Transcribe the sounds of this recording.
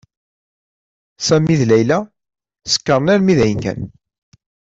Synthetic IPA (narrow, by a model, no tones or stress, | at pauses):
sæmiðlæjlæ | sə̥kːəɾˤnæɾmiðæjənkæ̰n